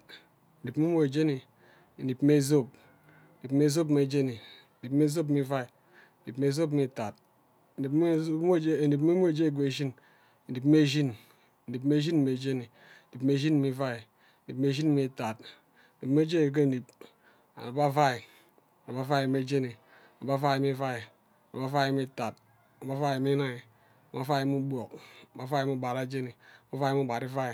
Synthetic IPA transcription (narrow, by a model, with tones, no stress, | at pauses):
ni˨pme˦mo˦e˨d͡ʒe˦ni˨ | e˨ni˨pme˦zo˦˨p̚ | e˨ni˨pme˦zo˦p̬m˨e˨d͡ʒe˦ni˨ | ni˨pme˦z̬o˦p̬mi˦va˦i˨ | ni˨pm˦e˦zo˦p̬mi˨ta˨t̚ | m˦˨˦ni˨p̬me˦m˦e˨d͡ʒe˦i˦˨ɡʷe˨ʒi˦n | e˨ni˨pme˦ʒi˦n | e˨ni˨pm˦e˦ʒi˦n˨me˨d͡ʒe˦ni˨ | ni˨pme˦ʒi˦n˦mi˨˦va˦˨i˨ | ni˨pme˦ʃi˦n˦mi˨˦ta˨t̚ | di˨pm˦e˦d͡ʒe˦ni˨k̬e˦˨di˨p̚ | a̰˨na˨ba˦fa˦i˨ | a˨na˨a˦fa˦i˨m˦e˦d͡ʒe˦ni˨ | a˨ba˦fa˦˨mi˦fa˦i˨ | a˨na̰˨ba˦fa˦˨mi˦ta˨t̚ | a˨ba˦fa˦i˨mi˦na˦i˨ | a˨ma˦fa˦jmu˦bʷo˨k̚ba˦fa˦˨˦mu˦ba˨ɾa˨d͡ʒe˦ni˨ma˦fa˦i˨˦m˦u˦˨ba˨ɾi˦fa˦i˨